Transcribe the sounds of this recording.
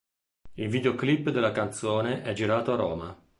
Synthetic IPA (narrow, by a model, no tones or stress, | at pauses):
ilviːd̪eoklipːd̪elːakant̪sɔːneʔɛd͡ʒiɾaːt̪oaɾɔ̰ːma̰